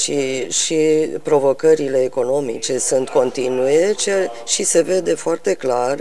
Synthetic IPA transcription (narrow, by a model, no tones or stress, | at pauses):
ʃiʃipɾo̞vo̞kəɾile̞ːko̞no̞mḭt͡ʃe̞sunt̪ko̞nt̪inuje̞t͡ʃ | ʃise̞ve̞d̪e̞foart̪e̞klar